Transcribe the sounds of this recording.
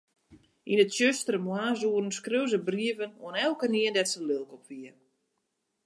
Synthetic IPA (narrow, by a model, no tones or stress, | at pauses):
ʔinətʃjøstəɾəmwaːzuərən̩skrøwzəbriəvəno̰ənɛlˠkəniəndɛtsəlølˠkɔpʋiə